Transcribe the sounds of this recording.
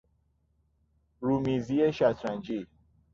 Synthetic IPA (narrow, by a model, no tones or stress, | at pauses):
ɾuːmiːzieʃæt̪ʰɾænd͡ʒiː